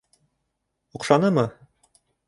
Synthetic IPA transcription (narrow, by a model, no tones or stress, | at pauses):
ŏqʃɑnɤmɤ